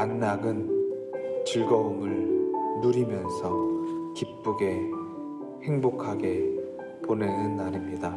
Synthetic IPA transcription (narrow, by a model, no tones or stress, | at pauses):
anːaɡɯn | t͡ɕɯɭɡʌomɯɭnuɾimjʌnsʰʌkip̚p͈uɡe̞ | he̞ŋbokʰaɡe̞ | ponenɯnːaɾimɲida